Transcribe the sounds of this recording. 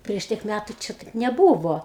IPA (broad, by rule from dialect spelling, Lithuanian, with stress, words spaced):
pʲrʲiɛʃ ˈtʲiɛk ˈmʲætʊ ˈt͡ʃʲɪ tɐɪp nʲɛˈbuːʋoː